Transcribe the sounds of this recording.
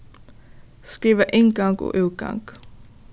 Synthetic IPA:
skiːʋəʔɪŋɡɑŋɡo̰ʔʉːɡ̥ɑ̰ŋɡ̥

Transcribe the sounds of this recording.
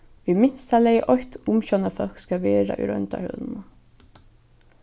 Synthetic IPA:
ʋimɪnst̪alɛʔɔht̪ʊmʃɔnəfœlkskɑʋeːɹa̰ʔʏ̰ɾœ̰nt̪a̰hœ̰lmə

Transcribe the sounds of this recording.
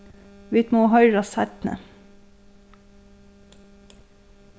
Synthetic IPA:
ʋɪt̪moːhœʏɾɑsæɾt̪nə̰

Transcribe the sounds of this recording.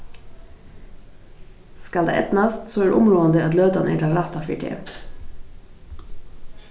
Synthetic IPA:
skɑld̪ḛːʔɛ̰t̪nɑst̪soːæːɖ̰ʔʊmɾuːənd̪əɑt̪løːd̪ɑnʔæ̰ːɖɑlɾɑt̪ɑːfɪ̰ʈʰɪ̰ɛ̰

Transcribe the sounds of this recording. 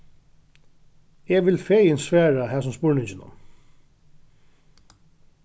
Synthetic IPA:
ɛʋɪlfeːjɪnsʋæːɹahæːs̬ʊmspʊɹɳɪɲt͡ʃɪnʊ̰m

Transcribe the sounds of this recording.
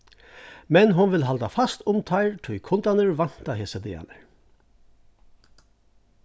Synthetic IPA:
mɛnɦʊnʋɪlɦalt̪afast̪ʊmt̪ʰaɪɹt̪ʰʊjkʰʊnt̪anəɹʋan̥t̪aheːsəd̪ḛːa̰nəɹ

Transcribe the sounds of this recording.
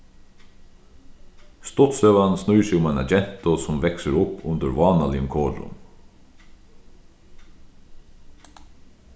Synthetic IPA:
st̪ɔt̪søːʋansnʉʏsɛɪʊmæːnɑ̰d͡ʒɛn̥t̪ʊsɔmʋɛksəɾʊpʉnd̪əɾʋɑːnɑlɪəmkʰoːɖʊ̰n

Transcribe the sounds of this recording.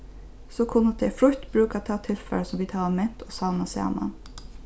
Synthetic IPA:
soːkʰʊnət̪̚d̪efɾʉt̪bɾʉːkat̪ʰɑːt̪ʰɪlfɛ̰ləsɔmʋiːt̪hɑːɑmɛnt̪ʰoːsɑʋnɑsɑ̰ːnɑ̰

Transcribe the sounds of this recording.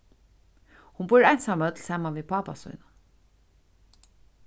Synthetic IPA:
hʊnbʊɾajnsaːmœt̪lsɑːmanviːðpʰɑːpa̰sṵjna

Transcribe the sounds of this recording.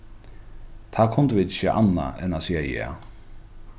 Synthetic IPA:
t̪ʰaːkʰʊnt̪vɪːt̪ɪçəʔa̰nːa̰ɛ̰nasiːajɛ̰ː

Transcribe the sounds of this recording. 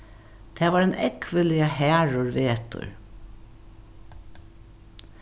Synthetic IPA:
t̪ʰɛːʋaːɾɛnɛkʋəlɪahæːɹʊɹʋeːt̪ʊ̰ɹ

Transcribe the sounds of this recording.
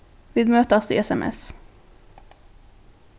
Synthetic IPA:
vɪd̪møːt̪əst̪ɪ̰ɛsɛmʔɛ̰s

